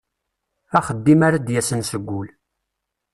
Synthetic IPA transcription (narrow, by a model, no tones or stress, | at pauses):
æχəd̪ːimaɾad̪jæsənsəɡʷːʊl